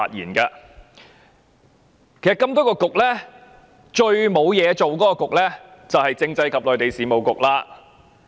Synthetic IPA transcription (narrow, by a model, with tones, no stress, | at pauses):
a̰ː˨˧t̚jiː˨˩nkaː˧ | kʰe˨˩sɐ˨t̚kɐ˧mt̪ɔː˥kɔː˧kʊ˨k̚lɛː˥ | t͡ʃɵ˧ɥmo˨˧wjɛː˨˧t͡so˨wkɔː˨˦˥kɔː˧kʊ˨k̚lɛː˥t͡sɐ˨whɐ˨jt͡sɪ˧ŋt͡sɐ˧jkʰɐ˨p̚lɔː˨˩jt̪e˨jsiː˨˥mo˨˩wkʊ˨k̚laː˧